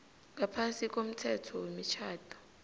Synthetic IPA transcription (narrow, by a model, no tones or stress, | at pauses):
ŋapʰansikʼom̩tʰɛtʰɔwemit͡ʃʰaːd̥ʱʼɔ̥